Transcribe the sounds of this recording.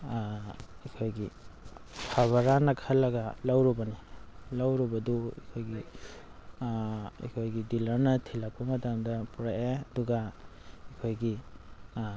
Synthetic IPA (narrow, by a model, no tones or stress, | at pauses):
ikʰojɡi | pʰaβaɾanɐkʰalːɐɡɐlawɾɔbɐnilawɾɔbɐduikʰojɡi | ḭkʰojɡidilɐɾnɐtʰilak̚pɐmɐtamdɐpuɾaʔeɐduɡa | ikʰojɡi